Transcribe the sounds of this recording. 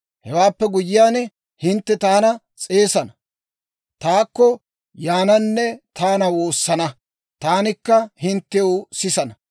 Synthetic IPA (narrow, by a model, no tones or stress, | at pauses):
hɛwaːpːɛɡʊjɪjaːn | hɪnt̪ːɛt̪aːnɐ | t͡sʼe̞ːsɐnɐ | t̪aːkːɔ | jaːnɐnːɛt̪aːnɐwo̞ːsːɐnɐ | t̪aːnɪkːɐhɪnt̪ːɛwsɪsɐnɐ